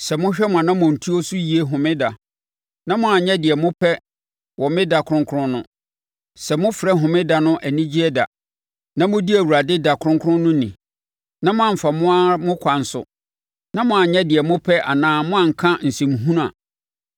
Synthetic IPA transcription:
sɛ˨mʊ̃˦ɕᶣɛ˦mʊ̃˨ã˨nã˦mʊ̃˨n̩˨tʰu˦o˦sʊ˦ji˨e˦ɦʊ̃˨mɪ̃˦da˨ | nã˦mʊ̃˦a˨ɲɛ̃˦dɪ˨ɛ˨mʊ̃˦pʰɛ˦ | wɔ˨mɪ̃˦da˨kʰʊ˦ɾʊ̃˦ŋkʰʊ˦ɾʊ̃˦nʊ̰̃˦ | sɛ˨mʊ̃˦fɪ˨ɾɛ˦ɦʊ̃˨mɪ̃˦da˨nʊ̃˦ʔæ˨nĩ˦d͡ʑi˦ɛ˦da˨ | nã˦mʊ̃˦di˦æ˨wu˨ɾa˨dɪ˦da˨kʰʊ˦ɾʊ̃˦ŋkʰʊ̃˦nʊ̃˦nĩ˨ | nã˦mʊ̃˦ã˦˨m̩˨fa˨mʊ̃˦a˦mʊ̃˦kʰa˨n̩˨sʊ̰˨ | nã˦mʊ̃˦a˨ɲɛ̃˦dɪ˨ɛ˨mʊ̃˦pʰɛ˦ʔa̰˨nãː˦mʊ̃˦ã˦˨ŋ̩˨kʰã˦n̩˨sĩ˨m˨ɦũ˦n˦a̰˨

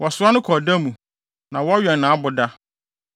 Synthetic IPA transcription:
wɔ˨sʊ˨˦a˦nʊ̃˦kʰɔ˨da˦mũ˨ | nã˨wɔ˦ɥɛ˨n˨nã˨a˦bʊ˨da˦

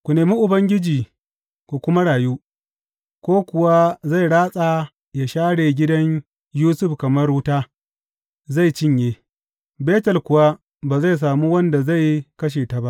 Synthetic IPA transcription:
kʷu˨neː˨mi˦ʔʊ˨bɐ˦ŋɡʲɪ˦d͡ʒiː˨ | kʷu˨kʷʊ˦ma˦ɽaː˨juː˦ | kʷoː˦kʷʊ˨wa˦za˦˨jɽaː˦sʼa˨ | ja˨ʃaː˦ɽeː˨ɡʲɪ˦dɐ˦ɲ | juː˦sʊ˦˨ɸkɐ˨mɐ˦rɽuː˦taː˦ | za˦˨jt͡ʃɪ˦ɲjeː˦ | beː˦tɐ˨lkʷʊ˨wa˦ | baː˨za˦˨js̬aː˨mu˦wɐ˦nda˨za˦˨jkɐ˦ʃ̬eː˨ta˨ba˦ʔ

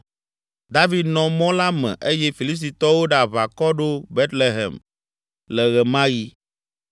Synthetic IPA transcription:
d̪a˦vi˨d̪nɔ̃˨mɔ̃˦la˦mɛ̰̃˨ʔe˦jɛ˦fi˨li˦st̪i˨t̪ɔ˦wo˦ɖa˨βa˨kɔ˦ɖo˦be˦t̪le˨ɦɛ̰˨m | lɛ˨ɣɛ˨mã˦ji˦

